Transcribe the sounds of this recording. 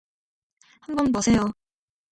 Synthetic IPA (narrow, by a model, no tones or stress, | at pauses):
hambʌnbosʰe̞jo